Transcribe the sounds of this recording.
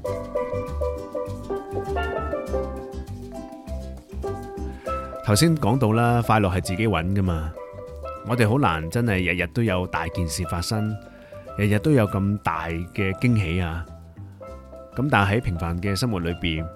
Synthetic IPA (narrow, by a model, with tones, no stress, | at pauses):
t̪ʰɐ˨˩wsiː˥nkɔː˨˥ŋt̪o˧wlaː˥faː˧jlɔː˨k̚hɐ˨˩jt͡siː˨ke˨˥jwɐ˨˥nkɐ˥maː˧ | ŋɔː˨˧t̪e˨jɦo˨˥wla̰ː˨˩nt͡sɐ˥nhɐ˨jːɐ˨t̚jɐ˨˩t̚t̪o˥wjɐ˨˧wt̪aː˨jkiː˨nsiː˨faː˧t̚sɐ˥ŋ | jɐ˨˩t̚jɐ˨t̚t̪ːo˥wjɐ˨˧wkɐ˧mt̪a̰ː˨jkɛː˧kɪ˥ŋɦe˨˥jaː˧ | kɐ˨˥mt̪aː˨˩nɦɐ˨˥jpʰɪ˨˩ŋfaː˨nkɛː˧sɐ˥mwu˨t̚lɵ˨˧piː˨n